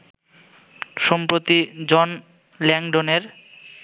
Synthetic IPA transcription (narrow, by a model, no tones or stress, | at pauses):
ʃɔmpɾot̪id͡ʑɔn | lɛŋɖoneɾ